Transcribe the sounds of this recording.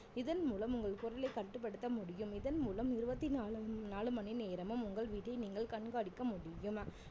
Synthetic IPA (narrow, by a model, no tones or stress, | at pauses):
ɪðɐnmuːlɐmʊŋɡɐɭkʊɾɐlɐɪkɐʈːɯp̬ːɐɽɯt̪ːɐmʊɽɪjɯmɪðɐnmuːlɐmɪɾɯbɐt̪ːiːnaːlɯmɐnɪneːɾɐmɯmʊŋɡɐɭʋiːʈːɐɪniːŋɡɐɭkɐɳɡaːɽɪkːɐmʊɽɪjɯm